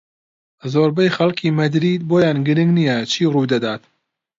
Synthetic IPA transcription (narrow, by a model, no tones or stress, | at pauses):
zoːɾbɛjxɐlkʰiːmɐd̪ɾiːd̪̚boːjaːnɡɨɾɪŋɡnijɛt͡ʃʰiːruwd̪ɐd̪aːt̪